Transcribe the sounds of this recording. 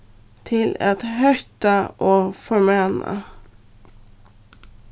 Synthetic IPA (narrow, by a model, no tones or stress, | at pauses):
t̪ʰɪlɛt̪hœʏt̪əʔoːfɔɹmeːnə̰